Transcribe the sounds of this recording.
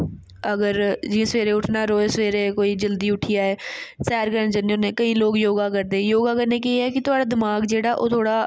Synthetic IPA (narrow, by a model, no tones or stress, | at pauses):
əɡəɾd͡ʒĩsʋeːɾeːʊʈʰnaːɾoːesʋeːɾeːkoːiːd͡ʒəld̪iːʊʈʰɪjaːɦɛːsɛːɾkəɾənd͡ʒənːeʊnẽːkəĩːloːɡjoːɡaːkəɾd̪eːjoːɡaːkəɾneːk̬eeɛːkɪt̪ʊaːɽaːd̪ɪmaːɡd͡ʒeːɽaːʔoːt̪ʰoːɽaː